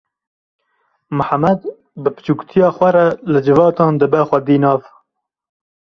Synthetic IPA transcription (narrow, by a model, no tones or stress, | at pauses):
mʊħamɛd̪ | bɨpɨ̥t͡ʃuːkt̪ʰijɑːxʷɛɾɛlɨd͡ʒɨvɑːt̪ɑːnd̪ɨbɛxʷɛd̪iːnɑːv